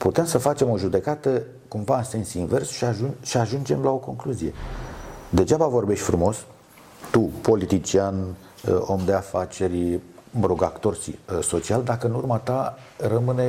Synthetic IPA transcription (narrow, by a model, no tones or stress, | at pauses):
put̪e̞msəfat͡ʃe̞mo̞ʒud̪e̞kat̪ə | kumvaɨnse̞nsinve̞rsʃiaʃiaʒund͡ʒe̞mlao̞ko̞ŋkluzie̞ | d̪e̞d͡ʒabavo̞rbe̞ʃt̪ʲfɾumo̞s | t̪upo̞lit̪it͡ʃian | o̞md̪e̞afat͡ʃe̞ɾʲməɾoɡakt̪o̞rsḭso̞t͡ʃiald̪akəɨnurmat̪a | rəmɨne̞